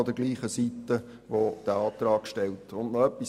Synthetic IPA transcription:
od̥̪əɾɡliːχəsit̪ːə | ʋod̥æɑːt̪ɾɑːkʃtɛltʊndnɔœpːis

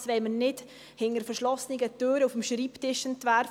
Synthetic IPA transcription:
sʋɛɪmənɪd | hɪŋəɾfəɾʃlɔsnɪɡət̪øːɾəufəmʃɾiːptɪʃəntvæɾ

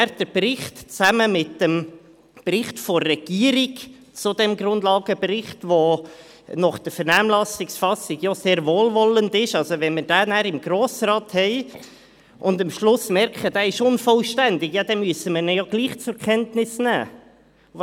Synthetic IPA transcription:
ɾd̥əbrɪχtt͡sæməmɪtːəm | b̥rɪχtfɔrːɛɡ̥iəɾiɡ | t͡sʊdɛmɡɾʊndlɑːɡəbɾɪχtʋo | nɑχd̥əɾfɛɾnæːmlɑsɪksfɑsɪɡ̥jɑseːɾvoːlvɔləndɪʃɑlzoʋɛnməɾd̥æːnæːɾɪmɡ̥ɾoːsɾɑːthɛɪ | ʔʊndɑmʃlʊsmɛɾkχəd̥æːɪʃʊnfɔlʃtændɪkjɑd̪ɛmyəsəməɾnəjɑɡ̥liːχt͡sʊɾkʰɛntnɪsnæ̰ː

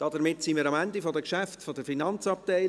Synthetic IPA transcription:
d̥ɑdəmɪtsimiːɾɑmændifodəkʃæftfodəɾfinɑnt͡sɑp̚tæɪ

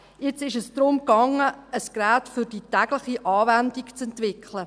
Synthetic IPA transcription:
jɪt͡sɪʃəsd̥ɾʊmkɑŋːəəskɾæːtfʏɾd̥itæɡlɪχiʔɑːvændikt͡sɛntvɪkχlə

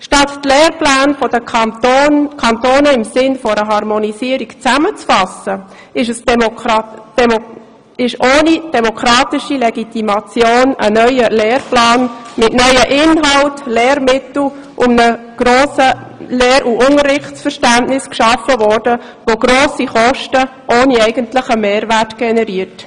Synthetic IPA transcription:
ʃtɑttlɛːrplaːnfɔdə | kʰɑntoːnəɪmsɪnfɔɾəɦɑɾmɔnisiːəɾikt͡sæmət͡sfɑsə | ɪʃəs | ɪʃʔoːnid̥ɛmokʰɾɑːtɪʃilɛɡitimɑt͡sjoːnə̰nœʏəlɛːrplɑːnmɪtnœʏəʔɪnɦɑltlɛːɾmɪt̪l̩ | ʔʊmnə | ɡ̥ɾoːsəlɛːɾʔuʔʊŋərːɪχtt͡sfəɾʃtænʔnɪskʃɑfəvɔrd̥ə | ʋoɡɾoːsiχɔʃtəʔoːniɛɪɡəntləχəmeːɾværtɡ̥ɛnɛɾiət

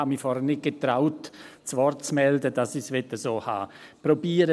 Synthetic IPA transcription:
amifɔɾhənɪt̚ɡ̥ət̪ɾaʊtt͡sʋɔrtt͡smɛldəd̥ɑsisʋɛtəsoːha̰ːpɾobiːəɾə

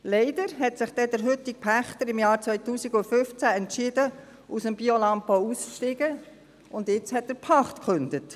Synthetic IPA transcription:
lɛɪd̥əɾɦɛtsɪχd̥ɛd̪əɾɦʏtɪk̚pʰæχt̪əɾɪmjɑːɾt͡sʋœjtuːsiɡʊnfʏft͡sæɛntʃɪd̥ə | usəmb̥iolɑmpɔusʃtɪɡ̥ə | ʊndjɪt͡shɛt̚dəɾpʰɑχt̪kχʉnd̪ət

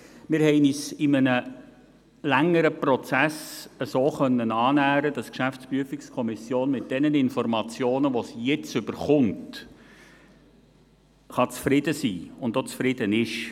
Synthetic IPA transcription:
mɪːɾhɛɪnisɪmənə | læŋːəɾəprɔt͡sæsəsoːχœnːənɑːnæːɾəd̥ɑskʃæftt͡spɾyəfikskʰɔmɪsjoːnmɪt̚d̥ɛnənɪnfɔɾmɑt͡sjoːnəʋɔsijɛt͡sʏb̥əɾχʊnt | χɑt͡sfɾɪdəsiːʊndot͡sfɾɪd̥ənɪʃ

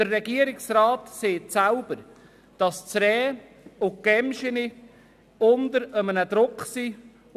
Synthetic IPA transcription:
d̥ərːɛɡiəɾɪksɾaːtseːtsalb̥əɾ | d̥ɑst͡sɾɛː | ʊkɛmʃəni | ʊnd̪əɾəmənəd̥ɾʊkχsi

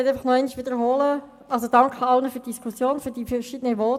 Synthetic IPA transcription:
ɛtæɪfɑχnɔɛɪniçʋɪdəɾɦoːlə | ʔɑlsod̥ɑŋkʰəɑlnəfyːd̥iskʰusjoːnfyːɾd̥iːfəʃidənəʋɔːt

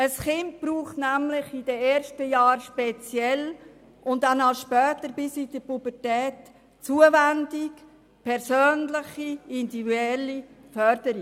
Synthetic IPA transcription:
əsχɪnt̚b̥ɾuːχtnæmlɪχid̥əɛːɾʃtəjɑːɾʃpɛt͡sjɛl | ʔʊndanɑʃpœːtəɾbɪsid̥̪əpubəɾtɛːt | t͡suəvændik | pʰɛɾsøːnlɪχiɪndivyɛlːi | fœɾdəɾi

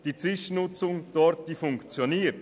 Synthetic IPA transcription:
d̥iːt͡svɪʃənʊt͡sʊŋd̥ɔɾtd̥iːfʊŋkt͡sjoniːət

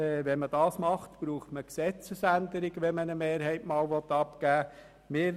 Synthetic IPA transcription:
ɛʋɛnməd̥ɑːsmɑχtb̥ɾuːχtməksɛt͡səsænd̪əɾɪɡʋɛnmənəmeːɾɦɛɪtmɑːlʋɔtːɑpɡ̥æː | mɪːɾ

